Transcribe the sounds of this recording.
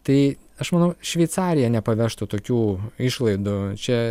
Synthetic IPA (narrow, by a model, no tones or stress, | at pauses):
t̪ɐɪɐʃmɐnɐʊʃʲʋʲɛɪt̪sɑːɾʲɪjɛnʲɛpɐʋʲɛʃt̪ʊt̪oːkʲuːɪʃlˠɐɪd̪ʊt͡ʃʲɛ